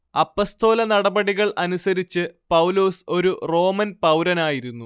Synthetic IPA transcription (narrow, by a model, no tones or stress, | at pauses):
ɐpːoːst̪o̞ːlɐnɐɽɐbɐɽiɣɐɭʔɐnusɐɾit͡ɕːɨpɐwloːso̞ɾuro̞ːmɐnpɐwɾɐnaːjiɾunːu